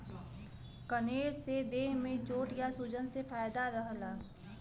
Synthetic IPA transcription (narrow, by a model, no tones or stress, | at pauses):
kəneːɾsed̪eːɦmẽt͡ʃoːʈjasud͡ʒənsefaːjd̪aɾəɦlaː